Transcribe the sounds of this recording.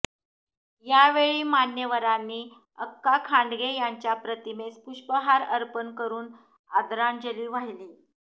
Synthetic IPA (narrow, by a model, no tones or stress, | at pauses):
jaʋeɭiːmanjəʋəɾanːiː | əkːakʰaɳɖɡejaɲt͡ɕjapɾət̪imespuɕbəɦaɾəɾpənkəɾuːn | ad̪ɾand͡ʑəliːʋaɦiliː